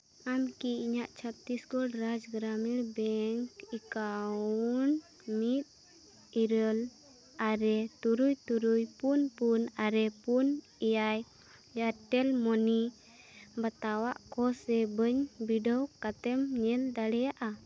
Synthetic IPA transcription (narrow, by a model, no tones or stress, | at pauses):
amkiiɲaʔt͡ʃʰap̚t̪iskulɾad͡ʒɡɾamiɾbɛŋkikaun | mit̪̚ | iɾəl | aɾɛt̪uɾujt̪uɾujpunpunaɾɛpun | ɛjaj | jaʈɛlmɔni | bat̪awaʔkɔsɛbəɲbiɖɔwkat̪ɛmɲɛld̪aɽɛjaʔa